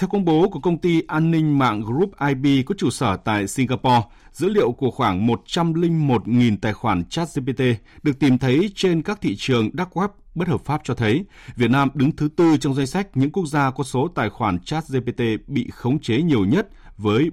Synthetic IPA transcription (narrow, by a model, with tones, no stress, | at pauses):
t̪ʰɛ˧wkə˧wŋ͡mɓo˨˦ku˧˩əkə˧wŋ͡mt̪i˧ʔaː˧nːï˧ŋ̟ma̰ː˧˨ŋɣɾu˦˥p̚ʔaː˧jɓi˧kɔ˨˦t͡ɕu˧˩səː˧˩t̪a̰ː˧˨jsi˧ŋɣaː˧pɔ˧ | zɨ̰˧˥lḭ˧˨əwku˧˩əxwaː˧˩ŋmo˨˩t̚t͡ɕa˧mlï˧ŋ̟mo˨˩t̚ŋi˨˩nt̪aː˨˩jxwaː˧˩nt͡ɕaː˦˥t̚ze˧p̬e˧t̪e˧ɗɨ˨˩ək̚t̪i˨˩mt̪ʰə˨˦jt͡ɕe˧nkaː˦˥k̚t̪ʰḭ˧˨t͡ɕɨ˨˩əŋɗaː˦˥k̚ɣwɛ˦˥p̚ɓə˦˥t̚həː˨˩p̚faː˦˥p̚t͡ɕɔ˧t̪ʰə˨˦j | vi˨˩ət̚naː˧mɗɨ˨˦ŋt̪ʰɨ˨˦t̪ɨ˧t͡ɕɔ˧wŋ͡mza˧jŋ̟sa˦˥jk̟̚ɲɨ̰˧˥ŋku˦˥ək̚zaː˧kɔ˨˦so˨˦t̪a̰ː˧˨jxwaː˧˩nt͡ɕaː˦˥t̚ze˧pe˧t̪e˧ɓḭ˧˨xə˨˦wŋ͡mt͡ɕe˨˦ɲi˨˩əwɲə˦˥t̚ | vəː˨˦j